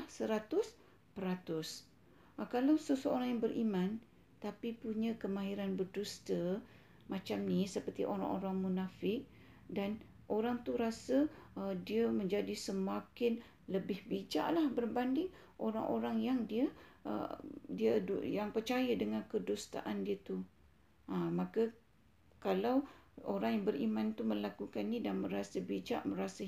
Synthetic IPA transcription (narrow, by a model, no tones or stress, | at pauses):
hsəɾat̪ʊs | pəɾat̪ʊs | kalawsəsəoɾaŋjaŋbərimãn | t̪apipuɲə̃kəmaiɾanbərdust̪ə | mat͡ʃamnisəpərt̪iʔoɾa̰ŋʔoɾaŋmunafɪk̚ | dan | ʔoɾaŋt̪uɾasədiəməɲd͡ʒadisəmakɪn | ləbɪhbid͡ʒa̰ʔlahbərbandɪŋ | ʔoɾa̰ŋʔoɾaŋjaŋdiəə̰diədujaŋpərt͡ʃajədəŋãnkədust̪a̰ʔandiət̪u | amakə | kalawoɾaŋjaŋbərimant̪uməlakukanːidanmə̃ɾasəbid͡ʒa̰ʔməɾasə